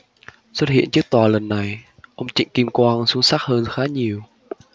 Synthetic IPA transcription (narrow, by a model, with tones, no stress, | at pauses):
swə˦˥t̚hḭ˧˨ənt͡ɕɨ˦˥k̚t̪waː˨˩lə˨˩nːa˨˩j | ʔə˧wŋ͡mt͡ɕḭ˧˨ŋ̟ki˧mkwaː˧nsu˨˦əŋsa˦˥k̚həː˧nxaː˨˦ɲi˨˩əw